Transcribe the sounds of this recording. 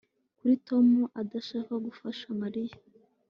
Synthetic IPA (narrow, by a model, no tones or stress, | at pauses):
kuɾito̞muʔadaʃakaɡufaʃamaɾija